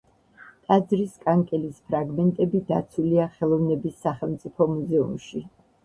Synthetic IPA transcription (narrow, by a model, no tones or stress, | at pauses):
t̪ʼad̪zɾiskʼaŋkʼɛlispʰɾaɡmɛnt̪ʼɛbid̪a̰t̪sʰuliaχɛlˠɔvnɛbisːaχɛlˠmt̪sʼipʰɔmuzɛumʃi